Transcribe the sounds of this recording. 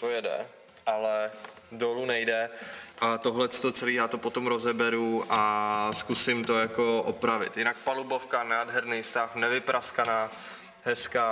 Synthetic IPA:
t̪ojɛdɛ̰ | ʔalɛ | dolunɛjdɛʔat̪oɦlɛt͡st̪ot͡sɛliːjaːt̪opot̪o̞mɾozɛbɛɾuʔaskusɪmt̪ojako̞ʔopɾavɪ̰t̪jɪnak̚palubofkanaːdɦɛɾnijst̪afnɛvɪpɾʔaskanaː | ɦɛska

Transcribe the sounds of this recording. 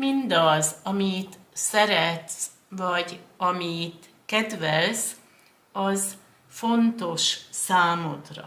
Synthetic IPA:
mind̪ɒzɒmit̪sɛɾɛt̪s | vɒɟɒmit̪ | kɛd̪ʋɛls | ɒz | fo̞nt̪o̞ʃsaːmo̞t̪rɒ̰

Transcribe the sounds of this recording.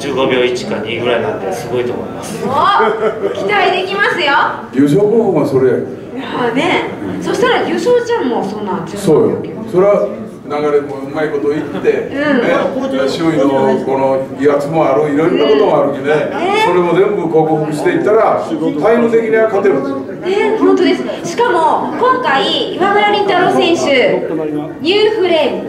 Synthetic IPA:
t͡ɕɨːɡo̞bʲoːit͡ɕi̥kaɲiɡɯ̟ɾaina̰t̪ːesɨɡo̞it̪o̰mo̰ḭmasɨ̥okʲi̥t̪aid̪ekʲimasɨjo | ɡʲɯːɕ̬o̞ːkoːkokːɯβaso̞ɾe̞ja | nesoɕt̪aɾaɡʲɯːɕoːt͡ɕãmmosonːãso̞ːjo | so̞ɾeβa | naɡaɾemoɯmaiko̞t̪oːit̪ːe̞ɯ̟̃ɴneɕioĩnoko̞noat͡sɨmoaɾɯiɾoɾnːako̞t̪omoaɾɯ̟kʲineneso̞ɾe̞mo̞d͡zẽ̞mbɯ̟ko̞ːkoɦokɯɕi̥t̪eit̪ːaɾat̪aimɯt̪e̞kʲiɲ̟iβakat̪eɾɯ | nehõnt̪od̪e̞sɨ̥ɕi̥kamo̞kõ̞ŋkaiːmamɯ̟ɾaɾʲĩt̪anosẽ̞ɰ̃ɕɨ | ɲ̟ʲɨːɸɯ̟ɾe

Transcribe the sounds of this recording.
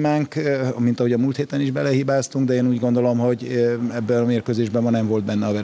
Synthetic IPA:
maːŋkmint̪ɒɦo̞ɟɒmult̪heːt̪ɛniʒbɛlɛɦibaːst̪uŋɡd̪ɛeːnuːɟɡo̞nd̪o̞lo̞mɦo̞ɟɛbːɛnɒmeːrkøzeːʒbɛmːɒnɛɱvo̞ld̪̚bɛnːɛɒvɛ

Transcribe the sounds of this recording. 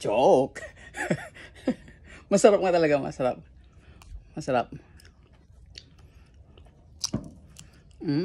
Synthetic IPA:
t͡ʃɔk | masaɾap̚ŋat̪alaɡama̰sɾap̚ | masɾap̚

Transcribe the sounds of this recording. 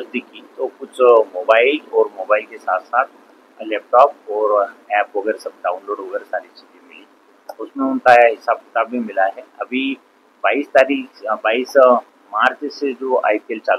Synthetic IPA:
ɐsd̪ikit̪okʊt͡ʃʰmoːbaːɪlɔːɾmoːbaːɪlkesa̰ːt̪ʰsaːt̪̚ʰ | lɛːp̚ʈɔːp̚ɔːɾɛːpʋɐɡɛːɾsɐb̚ɖaːʊ̃nloːɖʋɐɡɛːɾsaːɾit͡ʃiːzẽmɪlĩ | ʊsmẽʊnkaɦɪsaːb̚kɪ̥t̪aːbʱimɪlaɦɛɐbʱi | baːist̪aːɾiːkbaːis | maːɾt͡ʃsed͡ʒoːa̰ːipeːlt͡ʃaːl

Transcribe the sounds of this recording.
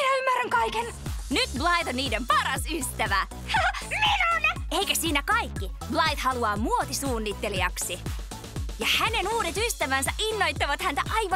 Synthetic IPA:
minæymːæræŋkɑiken | nyt̪blɑit̪onniːdempɑɾɑsyst̪æʋæ | minoneikæsiːnækɑikːiblɑit̪hɑluɑːmuot̪isuːnːit̪ːe̞liɑksi | jɑhæne̞nuːdet̪yst̪æʋænsæʔinːo̞jt̪ːɑʋɑt̪hænt̪æʔɑjʋɑ

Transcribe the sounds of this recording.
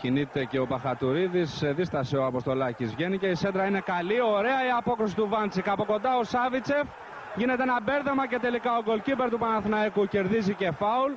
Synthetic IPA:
cinit̪e̞ce̞o̞pɐxɐt̪uɾiðisːeðist̪ɐseoɐpo̞st̪o̞lɐcizvʝe̞nice̞ised̪ɾɐine̞kɐlio̞ɾe̞ɐiɐpo̞kɾisi̥t̪uvɐnt͡sikɐpo̞ko̞nd̪ɐo̞sɐvit͡se̞f | ʝine̞t̪eenɐbe̞ɾðemɐce̞t̪e̞likɐo̞ɡo̞lcibe̞ɾt̪upɐnɐθnɐekuce̞ɾðizice̞fɐul

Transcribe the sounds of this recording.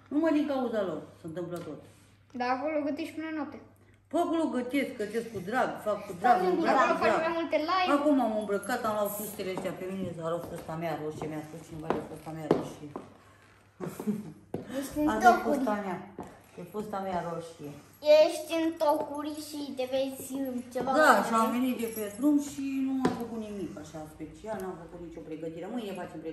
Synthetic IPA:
numajd̪iŋkauzalo̞rsənt̪ɨmplət̪ot̪ | d̪aːkoloɡət̪eʃʲpunenwap̚t̪e | pakuloɡət̪eskkət̪eskud̪ɾaɡfakːud̪ɾaɡamɾaəfaamajmult̪elajakumamɨmbɾəkat̪amlaut̪fust̪eleəʃt̪eapeminesaɾofost̪ameaɾoʃiemʲaspust͡ʃinevad͡ʒefost̪ameaɾoʃie | jeʃt̪nazofost̪ameḁ | efost̪ameaɾoʃie | jeʃt̪ʲɨnt̪okuɾʲʃit̪evesʲɨt͡ʃevad̪aʃamvenit̪d̪eped̪ɾumʃinuamfəkut̪nimikaʃaɨnspet͡ʃialnamfəkut̪nit͡ʃopɾeɡət̪iɾemɨjefat͡ʃempɾe

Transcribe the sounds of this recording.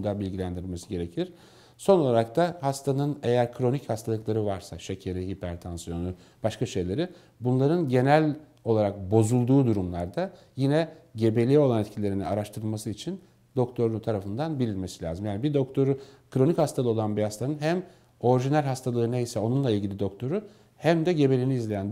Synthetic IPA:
d̪abilʲɟilʲænd̪iɾilme̞siɟe̞ɾe̞cʰiɾ̥ | so̞no̞lˠaɾak̚t̪ʰahast̪ʰanɯne̞jæɾkʰɾo̞nichast̪ʰalˠɯklˠaɾɯvaɾsaʃe̞cʰe̞ɾiɦipʰæɾt̪ʰansijo̞nu | b̥aʃkaʃe̞jlʲe̞ɾi | bunlˠaɾɯnɟe̞nælʲ | o̞lˠaɾak̚bo̞zulˠd̪uːd̪uɾumlˠaɾd̪a | jinɛɟe̞be̞lʲio̞lˠanɛt̪cʰilʲe̞ɾiniaɾaʃt̪ʰɯɾɯlˠmasɯit͡ʃʰin | d̪o̞kt̪ʰo̞ɾt̪ʰaɾafɯnd̪anbiɾilʲme̞silʲa̰ːzɯmjaːnibid̪ok̚t̪ʰo̞ɾukʰɾo̞nichast̪ʰalˠɯo̞lˠanbihast̪ʰanɯnɦæm | o̞ɾiʒinælʲɦast̪ʰalˠɯnejisɛo̞nunlˠailʲɟilʲid̪o̞k̚t̪ʰo̞ɾu | hæmd̪ɛɟe̞be̞lʲiniːzlʲejæn

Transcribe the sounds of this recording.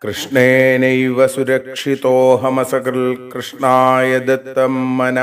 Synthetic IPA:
kɾɨʂɳeːnɐjʋɐsuɾɐkʂit̪oːɦɐmɐsɐkɐɾlkɾɨʂɳaːjɐd̪ɐt̪ːɐmːɐnɐ

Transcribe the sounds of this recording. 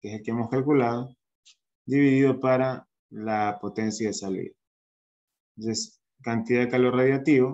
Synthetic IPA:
kese̞lkeemo̞skalkulað̞o | d̪iβiðiðo̞paɾa | lapo̞t̪e̞nsjaðesalḭð | es | kant̪iðaðekaloraðjat̪iβo

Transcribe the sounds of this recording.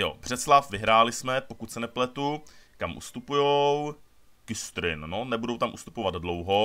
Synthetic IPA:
jo̰br̝̥ɛslafvɪɦɾaːlɪsmɛpokut̪sɛnɛplɛt̪ukamʔṵst̪upujow | kɪst̪ɾɪnːo̞nɛbudo̞wt̪amʔust̪u̥povad̪dlowɦo̞

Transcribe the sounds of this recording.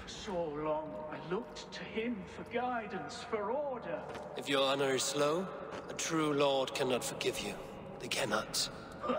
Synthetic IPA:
fəsoʊlɔ̃ŋaɪlʊk̚tʰɨɪ̃mfə˞ɡaɪdⁿn̩sfə˞ɔɹɾə˞ | ɨfjə˞ɑnə˞ɨ̥sloʊətʰɹ̥ulɔɹd̚kʰænətfə˞ɡɪvjʉ | ðeɪkʰænət

